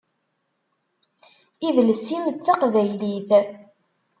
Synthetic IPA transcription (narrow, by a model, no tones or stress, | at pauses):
iðlsimt͡sːɑqvæjliθ